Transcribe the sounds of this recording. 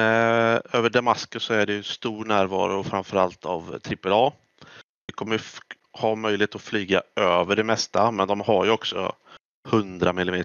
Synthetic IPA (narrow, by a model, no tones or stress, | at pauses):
øːvəɖamaskɵsːɔæɖɛjɵnst̪uːɾɳæːɾvɑ̰ːɾʊfɾamfəɾalt̪a̰vt̪ʰɾɪpɛlɑː | ɛkʰɔmːə | hɑmœjlɪheːt̪ɔflyːɡaøːvəɖɛmɛst̪amɛnd̪ɔmhaɾjɵɔksɔ̰ | hɵnd̪ɾamɪlːɪmeː